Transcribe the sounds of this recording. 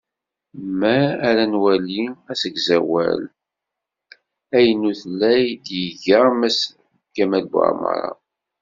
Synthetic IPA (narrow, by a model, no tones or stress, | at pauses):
mæːɾænwæliæsəɡzæwæ̰l | æjənuθəlːæjd̪jəʝəmæs | kːæmælbə̰ɾmə̰ɾˤɑ̰